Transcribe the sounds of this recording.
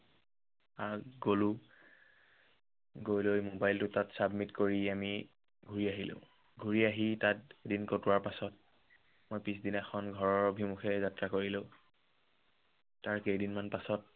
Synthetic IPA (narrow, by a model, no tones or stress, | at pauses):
aɡolu | ɡojlojmobajltʊtatsabmitkoɹiami | ɡʱuɹiaɦilõ̰ʊ̃ | ɡʱuɹiaɦitat̚edinkotʊwaɹpasɔt̚ | mojpisdinɛxʰɔnɡʱɔɹɔɹbʱimuxʰɛzatɹakoɹilõʊ̃ | taɹkejdinmanpasɔt̚